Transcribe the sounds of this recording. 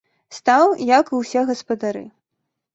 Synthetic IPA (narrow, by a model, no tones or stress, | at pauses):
st̪awjɐkɨwsʲɛɣɐspɐd̪aɾɨ̰